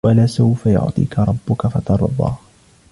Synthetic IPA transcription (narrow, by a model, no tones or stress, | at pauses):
walaːsawfajʊ̰ʕt̪ˤḭːkaɾˤɑbːʊkafɑt̪ɑɾˤɑ̰bɑ̰ːh